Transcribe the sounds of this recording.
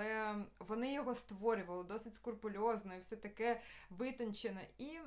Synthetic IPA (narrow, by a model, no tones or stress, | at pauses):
ɛʋɔnɪjɔɦɔst̪ʋɔɾʲʊʋɐlˠɔd̪ɔsɪtʲskʊrpʊlʲɔznɔiwsɛt̪ɐkɛʋɪt̪ɔnʲt͡ʃenɐi